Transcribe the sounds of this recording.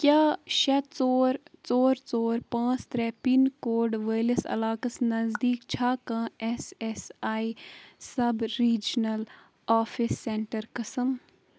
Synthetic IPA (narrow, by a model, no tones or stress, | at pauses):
kjaːʃɐt͡soːɾt͡soːɾt͡soːɾpãːt͡ʃt̪ɾɛpinkoːɾɖʋeːlɐsɐ̰laːkɐsnɐzd̪iːkt͡ʃʰaːkãːɛsɛsaːisɐbɾiːd͡ʒnɐl | aːfʰɪsːẽɳʈəɾkɐsəm